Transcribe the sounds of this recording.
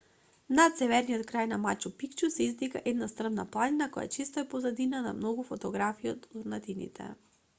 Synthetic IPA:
nat̪sɛvɛɾnijɔt̪̚kɾajnamat͡ʃupikt͡ʃusɛizd̪ika̰ʔɛd̪nast̪rəvna̰plˠaninakɔja̰t͡ʃist̪ɔɛpɔzad̪inana̰mnɔɡufɔt̪ɔɡɾafiiot̪uɾnat̪inḭt̪ʰɛ̰

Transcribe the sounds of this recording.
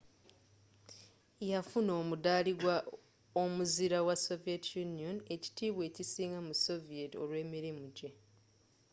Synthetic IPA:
jafuno̞ːmudaːliɡwa | o̞muziɾawaso̞vietʰjunijo̞ne̞ci̥tiːβwe̞ːcisiːŋɡamuso̞vie̞tio̞̰lwe̞ːmiɾimuɟe̞

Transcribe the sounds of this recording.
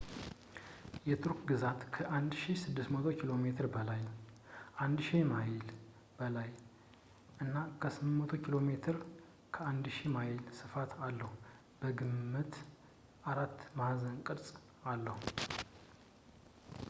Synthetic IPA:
jɛt̪ʰuɾkɡɨzat̪kʰəʔand̪ʃisɨd̪ːɨst̪mət̪ʰo̞kʰilo̞me̞t̪ʰɨɾbəlaj | ʔand̪ʃimajɪl | b̥əlaj | ʔɨnːakʰəsɨmmət̪ʰo̞kʰilo̞met̪ʰɨɾ | kʰəand̪ʃimajɪlsɨfat̪ʰalːəhu | b̥əɡɨmːɨt̪ | ʔaɾat̪ːmahzənkʼɨɾsʼ | alːəhu

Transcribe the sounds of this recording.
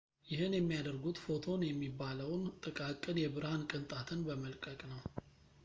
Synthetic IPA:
jɪhɨnjɛmːijad̪əɾɡut̪fo̞t̪ʰo̞njɛmːibːaləwnt̪ʼɨkʼakʼːɨnjɛbɨɾhankʼɨnt̪ʼat̪ʰɨnbəməlkʼəkʼnəw

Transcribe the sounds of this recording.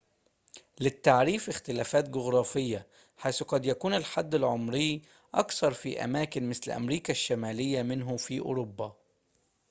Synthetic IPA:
lɪt̪ːaʕɾiːfɪxt̪ɪlæːfæːt̪̚ɡʊɣɾˤɑːfɪjːa | ħajsqɑd̪jakuːnɪlħad̪ːɪlʕʊmɾɪː | ʔɑ̰kθɑɾˤfḭʔæ̰maːkɪnmɪslʔæ̰mɾiːkaʃːamæːlɪjːamɪnɦʊfiːʔʊ̰ɾʊbːaː

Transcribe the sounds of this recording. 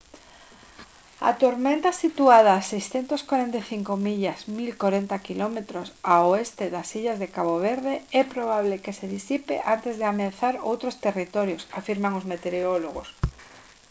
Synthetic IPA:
a̰t̪oɾmẽnt̪asit̪uað̞aːsejsθent̪oskwaɾent̪ejθiŋkomiʎasmilkoɾent̪akilɔmet̪ɾosaoest̪eðasiʎazðekaβoβ̞eɾðeɛpɾoβ̞aβlekeseðisipḛʔant̪ezðeameaθaɾowt̪ɾost̪erit̪ɔɾjosafiɾmaŋozmet̪eɾeoloɣ̞os

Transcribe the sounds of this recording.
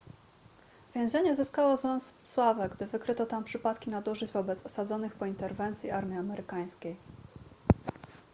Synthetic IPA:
vʲjɛ̃w̃ʑɛɲɛzɘskawɔzwɛsswavɛɡd̪ɘvɘkɾɘt̪ɔt̪ampʂɘpat̪kʲinad̪uʐɘd͡ʑvɔbɛt̪sɔsad̪zɔnɘxpɔint̪ɛɾvɛnt̪sʲjiaɾmʲiamɛɾʔɘkaj̃skʲej

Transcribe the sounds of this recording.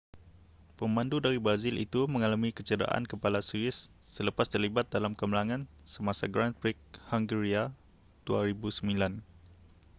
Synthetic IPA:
pəmãndudaɾibɾazɪlʔḭt̪umə̃ŋalamikət͡ʃəda̰ʔa̰nkəpalasuɪsː | ələpast̪ərlibat̪̚dalamkəməlaŋãn | səmasaɡɾanfik̚haŋɡəɾia | d̪̥uaɾibusəmĩlan

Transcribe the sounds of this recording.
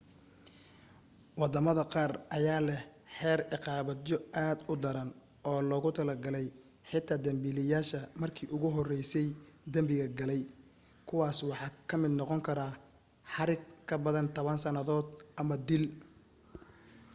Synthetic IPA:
wɑd̪ɐmɐðɐqɑːrʔɐjaːlɛhħɛːrɪqɑːβɐjɔaːd̪ʊd̪ɐɾɐn | ʔɔːlɔːɣʊt̪ʰɐlɐɡɐlɛj | ħɪt̪ʰaːd̪ɐmbiːlɪjaːʃɐmɐrkʰiːʔʊɣʊɦɔrɛjsɛjd̪ɐmbɪɣɐɡɐlɛj | kʰʊwɑːswɑħɑːkʰɐmɪd̪nɔqɔŋkʰɐɾaː | ħɑɾɪɡkʰɐbɐðɐnt̪ʰɔβɐnsɐnɐðɔːd̪ʔɐmɐd̪ɪl

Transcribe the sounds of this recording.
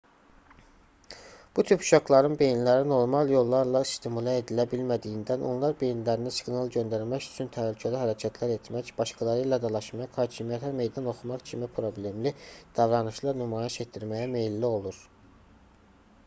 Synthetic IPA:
b̥ut̪ʰypu̥ʃɑklˠɑɾɯnbe̞jnilæɾino̞ɾmɑlˠjo̞lˠːɑɾlˠɑist̪ʰimulˠæed̪ilæbilmæd̪ijind̪ænʔo̞̰nlˠɑɾbe̞jnilæɾinisi̥ɡnɑlˠɟø̞nd̪æɾmæcy̥t͡ʃʰynt̪ʰæhlycʰæliɦæɾæcʰæt̪ʰlæɾe̞t̪ʰmæcb̥ɑʃkʰɑlˠɑɾɯlæd̪ɑlˠɑʃmɑqhɑːcʰimijæt̪ʰæme̞jd̪ɑno̞χumɑχcʰimipʰɾo̞blʲe̞mlid̪̥ɑvɾɑnɯʃlˠɑɾnymɑːjeʃet̪d̪iɾmæjæmejlːio̞lˠuɾ

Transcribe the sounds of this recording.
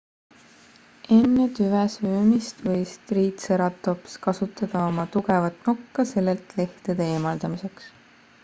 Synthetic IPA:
ʔe̞nːet̪yvesøːmist̪vɤjst̪riːt̪seɾɑt̪ːˑopskɑsut̪ːˑɑd̪̥ɑo̞mɑt̪uɡe̞vɑt̪ˑnukːɑse̞lːe̞lt̪le̞ht̪ed̪̥eeːmɑld̪̥ɑmise̞ks

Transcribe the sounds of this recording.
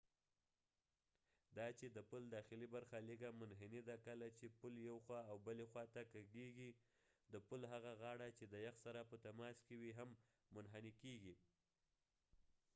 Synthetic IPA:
d̪ɑt͡ʃed̪əpuld̪ɑxɪlibaɾxaleɡamʊnɦɪnid̪akəlat͡ʃepuljawxwɑawbəlexwɑt̪akaɡeɡi | d̪əpulɦaɣaɣɑɽat͡ʃed̪əjaxsaɾapət̪amɑskewiɦamː | ʊnɦanikeɡi

